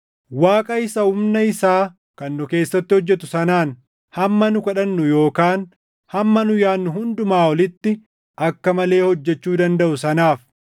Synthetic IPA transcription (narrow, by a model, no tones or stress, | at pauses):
waːkʼɐɪsɐhʊmnɐɪsaː | kɐnːʊke̞ːsːɐt̪ːɪhɔd͡ʒːɛt̪ʊsɐnaːn | hɐmːɐnʊkɐᶑɐnːʊjo̞ːkaːn | hɐmːɐnʊjaːnːʊhʊnd̪ʊmaːwɔlɪt̪ːɪ | ʔɐkːɐmɐle̞ːhɔd͡ʒːɛt͡ʃːuːd̪ɐnd̪ɐʔʊsɐnaːf